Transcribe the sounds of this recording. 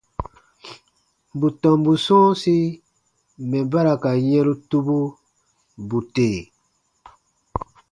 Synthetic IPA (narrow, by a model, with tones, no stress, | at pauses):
bu˨tɔ̃˨mbu˨sɔ̃ː˦si˦ | mɛ̃˨ba˦ɾa˨ka˨jɛ̃˦ɾu˦tu˦bu˦ | bu˨teː˨